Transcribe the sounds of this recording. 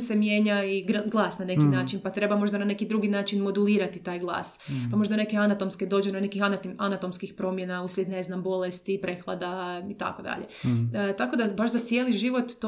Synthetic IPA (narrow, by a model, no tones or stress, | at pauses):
semje̞ːɲaiɡɡlˠaːsnane̞kinnaːt͡ʃinpat̪ɾe̞bamo̞ʒd̪anane̞kid̪ɾuɡinaːt͡ʃinmo̞d̪uliːɾat̪it̪aːjɡlˠa̰ːspamo̞ʒd̪ane̞keanat̪o̞msked̪o̞d͡ʒunone̞kixanat̪o̞mskixpɾo̞mje̞nauslʲed̪ne̞znambo̞lest̪ipɾe̞xlˠa̰d̪ait̪a̰kod̪a̰ʎet̪ako̞d̪abaʃzat̪sije̞ːliʒiʋo̞t̪ː